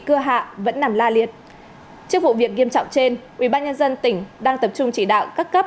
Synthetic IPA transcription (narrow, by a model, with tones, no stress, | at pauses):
kɨ˧əɦa̰ː˧˨və̰˧˥nːa˨˩mlaː˧li˨˩ət̚ | t͡ɕɨ˦˥ək̚vṵ˧˨vi˨˩ək̚ŋi˧əmt͡ɕɔ̰˧˨wŋ͡mt͡ɕe˧nʔwḭ˧˩ɓaː˧nɲə˧nzə˧nt̪ï˧˩ŋ̟ɗaː˧ŋt̪ə˨˩p̚t͡ɕʊ˧ŋ͡mt͡ɕi˧˩ɗa̰ː˧˨wkaː˦˥kːə˦˥p̚